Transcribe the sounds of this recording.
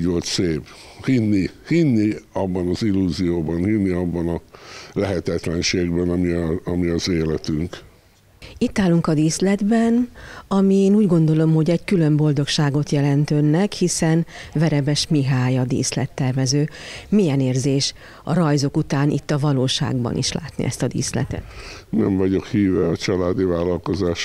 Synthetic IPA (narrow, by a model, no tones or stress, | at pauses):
olt̪seːp | hinːihinːiɒbːɒnɒzilːuːzijoːbɒnhinːiɒbːɒnɒlɛɦɛt̪ɛt̪lɛnʃeːɡbɛnɒmiɒmiɒzeːlɛt̪yŋk | it̪ːaːlːuŋkɒd̪iːslɛd̪bɛnɒmieːnuːɟɡo̞nd̪o̞lo̞mho̞ɟɛɟkylø̞mbo̞ld̪o̞kʃaːɡo̞t̪jɛlɛnt̪ønːɛkhisɛnvɛɾɛbɛʃmiɦaːjɒd̪ḭːslɛ̰t̪ːɛrvɛzøːmijɛneːrzeːʃ | ɒ̰ɾɒjzo̞kut̪aːnḭt̪ːɒvɒloːʃa̰ːɡbɒ̰nʔḭʃla̰ːt̪nḭʔɛ̰st̪ɒd̪ḭːslɛ̰t̪ɛ̰t̪nɛɱvɒɟo̞khiːvɛɒt͡ʃɒlaːd̪ivaːlɒlko̞zaːʃ